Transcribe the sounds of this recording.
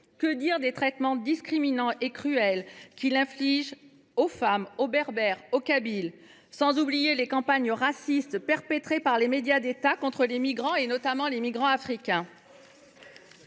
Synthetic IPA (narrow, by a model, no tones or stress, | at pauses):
kəd̪iʁd̪et̪χɛt̪mɑ̃d̪iskχiminɑ̃ʔekχyɛlkʲilɛ̃fliʒ | ofamobɛʁbɛʁokabil | sɑ̃zublijelekɑ̃paɲəʁasist̪pɛʁpɛt̪χepaʁlemed̪jad̪et̪akɔ̃t̪χəlemiɡʁɑ̃enɔt̪amɑ̃lemiɡʁɑ̃afχikʲɛ̃